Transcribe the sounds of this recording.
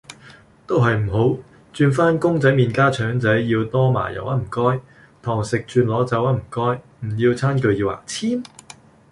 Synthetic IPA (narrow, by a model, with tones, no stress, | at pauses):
t̪o˥wɦɐ˨jm̩˨˩ɦo˨˥w | t͡ʃyː˧nfaː˥nkʊ˥ŋt͡sɐ˨˥jmiː˨nkaː˥t͡ʃʰœː˨˧˥ŋt͡sɐ˨˥jjiː˧wt̪ɔː˥ma̰ː˨˩jɐ̰˨˩wʔɐ˦˥m̩˨˩kɔː˥j | t̪ʰɔː˨˩ŋsɪ˨k̚t͡ʃyː˧nlɔː˨˥t͡sɐ˨˥wɐ˥m̩˨˩kɔː˥j | m̩˨˩jiː˧wt͡sʰaː˥nkɵ˧ɥjiː˧wa̰ː˨˩t͡sʰiː˥m